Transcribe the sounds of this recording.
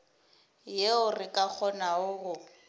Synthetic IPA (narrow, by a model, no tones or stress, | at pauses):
jeʊrɪkʼak͡xʰɔnaʊɣʊ